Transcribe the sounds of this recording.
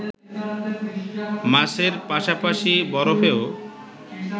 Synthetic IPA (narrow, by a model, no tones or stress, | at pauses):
maseɾpaʃapaʃibɔɾofeo